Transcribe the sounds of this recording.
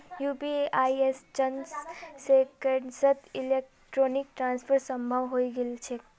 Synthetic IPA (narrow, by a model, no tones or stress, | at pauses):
jupiajest͡ʃənssekeɖsət̪ilek̚ | ʈɾonik̚ʈɾanspʰəɾsəmbʱəwɦoiɡelt͡ʃʰe